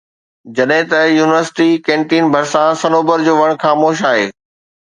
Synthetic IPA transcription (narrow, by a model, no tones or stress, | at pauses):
d͡ʑɐɗɦɪ̃t̪ɐjuːnɪʋəɾsɪ̥ʈikẽːɳʈiːnbʱɐɾsãsɐnoːbəɾd͡ʑoːʋɐɽ̃xaːmoːʃaːɦeː